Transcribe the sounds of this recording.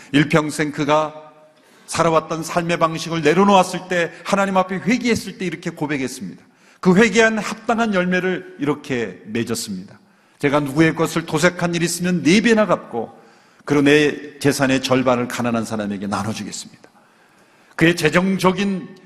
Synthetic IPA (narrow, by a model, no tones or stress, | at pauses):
iɭpʰjʌŋsʰe̞ŋkɯɡa | sʰaɾawat̚t͈ʌnsʰaɭme̞baŋɕʰiɡɯɭne̞ɾonowas͈ɯɭt͈e̞hanaɲimapʰe̞ɸwe̞ɡiɦe̞s͈ɯɭt͈e̞iɾʌkʰe̞kobe̞ɡɦe̞s͈ɯmɲid̥ḁ | kɯɸwe̞ɡiɦanhap̚t͈aŋɦanjʌɭme̞ɾɯɭiɾʌkʰe̞me̞d͡ʑʌs͈ɯmɲidḁ | t͡ɕe̞ɡanuɡue̞k͈ʌsʰɯɭtosʰe̞kʰaɲiɾis͈ɯmjʌnːebenaɡap̚k͈o | kɯɾone̞t͡ɕe̞sʰane̞t͡ɕʌɭbaɾɯɭkananɦansʰaɾame̞ɡe̞nanʌd͡ʑuɡe̞s͈ɯ̥mɲid̥ḁ | kɯe̞t͡ɕe̞d͡ʑʌŋd͡ʑʌɡin